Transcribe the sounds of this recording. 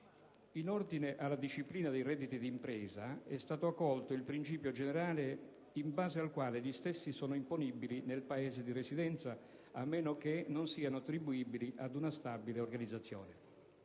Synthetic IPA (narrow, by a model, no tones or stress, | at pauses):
inɔrd̪ineʔalːad̪iʃːipliːnad̪ejrɛd̪ːit̪id̪iːmpɾɛːzaɛst̪aːt̪oakːɔlt̪ʊilpɾint͡ʃiːpjod͡ʒeneɾaːle | imbaːzealkwaːleʎist̪esːisɔːnʊimponibilinelpaɛːzed̪iresid̪ɛnt̪sa | amːɛːnok̟enʊnsiːanʊat̪ːɾibuiːbiliʔad̪unast̪abileorɡanid̪zːat̪sːjɔ̰ːne